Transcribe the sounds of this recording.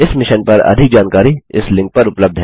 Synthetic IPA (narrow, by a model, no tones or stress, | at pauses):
ɪsmɪʃənpɐɾɐ̰d̪ʱɪk̚d͡ʒaːnkaːɾiɪ̰slɪ̃ŋk̚pɐɾʊpləb̚d̪ʱɦɛ